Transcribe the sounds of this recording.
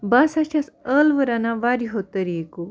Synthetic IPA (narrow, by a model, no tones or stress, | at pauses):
basaɕasəlʋəɾanaʋaɾiɦot̪əɾieko